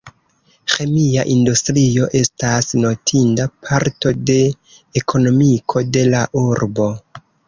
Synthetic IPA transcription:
xe̞miaʔindustɾio̞ʔe̞stasno̞tʰindapʰaɾto̞de̞ː | kʰo̞no̞mikʰo̞de̞laʔuɾbo̞

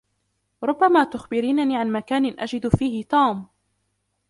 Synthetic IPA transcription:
ɾˤʊbːamaːt̪ʊxbɪɾiːnaniːʕanmakaːnɪnʔad͡ʒɪd̪fiːhɪt̪uːm

